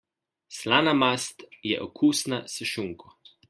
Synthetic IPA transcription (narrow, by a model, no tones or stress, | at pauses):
slaːnamast̪jɛ̰ʔɔkʰuːsnasəʃuŋkʰɔ